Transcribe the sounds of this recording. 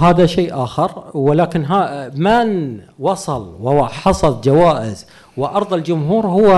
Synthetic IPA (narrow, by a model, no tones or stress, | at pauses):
ɦaːðaʃeːʔaːxɪɾwɪlaːkɪnɦaman | wɑsˤɑlwɪħɑsˤɑld͡ʒawaːʔɪ̰z | wɪʔɑɾˤðˤɪld͡ʒʊmɦuːɾhʊwːa